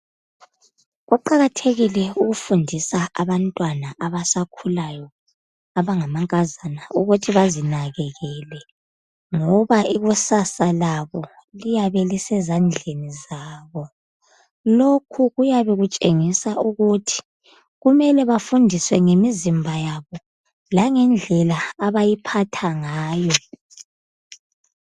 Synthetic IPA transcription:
ɣuǃaɣatʰeɣilɛuɣufundʱisaaβantʼwanaʔaβasakʰulajɔ | aβaŋamaŋkʼazanauɣutʰiβazinaɣɛɣɛlɛ | ŋɔβaʔiɣusasalaβɔ | lijaβɛlisɛzand͡ɮʱenizaːβɔ | lokʰuɣujaβɛɣut͡ʃʼeŋisaʔuɣutʰi̥ | ɣumɛlɛβafundʱiswɛŋemizimbʱajaβɔ | laŋɛnd͡ɮʱɛlaaβajipʰatʰaŋaːjɔ

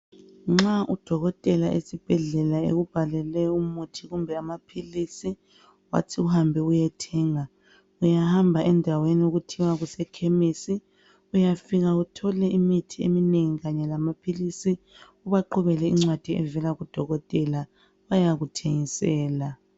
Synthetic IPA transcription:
ŋ͡ǁaʔud̥ʱɔɣɔtʼɛlaʔḛsib̥ʱɛɮɛlaḛɣub̥ʱalɛlɛumutʰiɣumbʱɛamapʰilisi | wa̰tʰiuhambʱɛujɛtʰɛŋa | ujahambʱaʔɛndʱawenioɣutʰiwaɣusɛkʰemisi | ujafiɣautʰɔlɛʔimitʰiḛmineŋiɣaɲɛlamapʰilisi | uβaǃʰɔβɛlɛiŋ͡ǀwad̥ʱiɛ̰vɛlaɣud̥ʱɔɣɔtʼɛla | wajaɣutʰeŋisɛːla

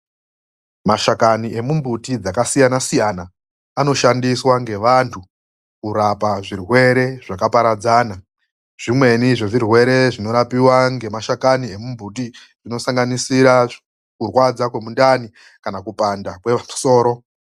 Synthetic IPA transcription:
maʃakaniʔe̞mumbutid͡zakasijanasijanaː | no̞ʃandiswaŋɡe̞ʋantʰu | kuɾapaʐirwe̞ɾe̞ʐakapaɾad͡zaːna | ʐ̥imwe̞niʐeʐirwe̞ɾe̞ʐino̞ɾapiwaŋɡe̞maʃakanie̞mumbuti | ʐ̥ino̞saŋɡanisiɾa | kurwad͡zakwe̞mundani | kanakupandakwemu̥so̞ːɾo̞

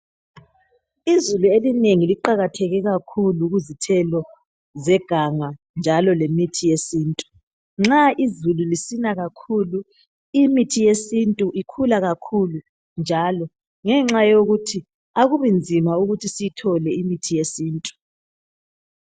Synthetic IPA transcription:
izuluelineŋiliǃaɣatʰɛɣɛɣakʰuluɣuzitʰɛlɔ | zɛɡ̥ʱaŋa | nd͡ʒʱalɔlemitʰijesiːntʼu̥ | ŋ͡ǁaʔizululisinaɣakʰulu | imitʰijesintʼuʔikʰulaɣakʰulu | nd͡ʒʱalɔ | ŋɛŋ͡ǁajoɣutʰi | aɣuβind͡zʱimauɣutʰisijitʰɔlɛimitʰijesiːntʼu̥

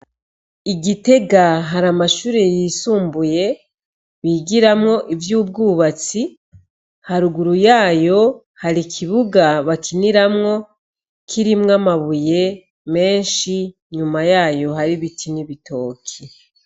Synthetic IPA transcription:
iɡite̞ɡaɦaɾamaʃuːɾejiːsuːmbuje̞ | βiɡiɾamŋo̞ʔivjuːb̚ɡuːβat͡si | haɾuɡuɾujaːjo̞ | haɾikʰiβuɡaβakiniɾamŋo̞ | kʰiɾimŋamaβuje̞ | me̞ːnʃi | ɲumajaːjo̞ɦaɾiβitʰiniβitʰo̞ːkʰi

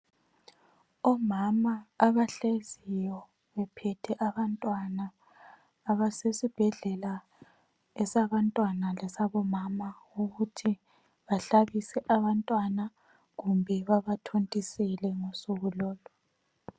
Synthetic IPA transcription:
ɔmamaːβaɬezijɔ | βɛpʰɛtʰɛʔaβantʼwanaː | βasesib̥ʱɛɮɛla | ɛsaβantʼwanalɛsaβɔmama | uɣutʰi | βaɬaβisɛʔaβantʼwana | ɣumbʱɛβaβatʰontʼisɛlɛŋosuɣulɔːlɔ

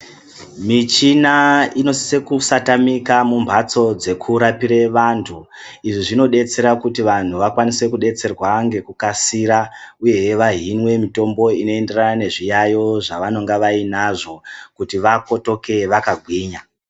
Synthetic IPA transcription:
mit͡ʃinaino̞si̥sekusatamikamumbʱat͡so̞d͡ze̞kʰuɾapiɾe̞ʋantʰu | iʐiʐino̞ɗe̞t͡se̞ɾakutiʋan̤uʋakwanise̞kuɗe̞t͡se̞rwaŋɡe̞kukasiɾauje̞ʋaɦinwe̞mito̞mbo̞inoe̞nde̞ranane̞ʐijajo̞ʐaʋano̞ŋɡaʋainaʐo̞kutiʋako̞to̞ke̞ʋakaɡʱwiːɲa

